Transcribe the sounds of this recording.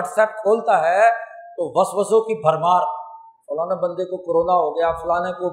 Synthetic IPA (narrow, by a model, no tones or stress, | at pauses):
ɐʈsɛːʈ̚kʰoːlt̪aɦɛt̪oʋɐsʋɐsõkibʱɐɾmaːɾ | fʊːlaːnebɐ̃nd̪ekokoɾoːnaɦoɡɐjafʊlaːneko